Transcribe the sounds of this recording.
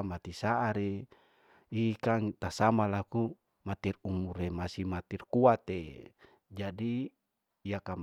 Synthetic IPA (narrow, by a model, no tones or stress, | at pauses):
mat̪isaʔaɾe | ikaŋt̪asamalaku | mat̪irumuɾemasimat̪irkuat̪e | d͡ʒadi | jakam